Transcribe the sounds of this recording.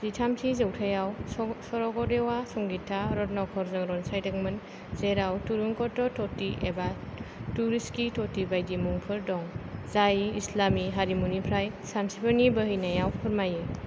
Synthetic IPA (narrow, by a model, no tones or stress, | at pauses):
zitʰamsʰizɯwtʰajawsɔɾɔɡɔɾewasɔŋɡitʰːaɾɔtnɔkʰɔɾzɯŋɾɔnsajdɯk̚mɯn | zeɾawtuɾuŋkɔtɔtʰɔtiʔebatuɾiskitʰɔtibajdimuŋpʰɯɾdɔŋzajiislamiɦaɾimunipʰɾaj | sansipʰanibəɦijnajawpʰɯɾmaje